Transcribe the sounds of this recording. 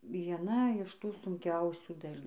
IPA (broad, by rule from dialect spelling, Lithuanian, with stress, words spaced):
ʋʲiɛˈnɐ ɪʃ ˈtuː sʊŋʲˈkʲɛʊsʲuː dɐˈlʲuː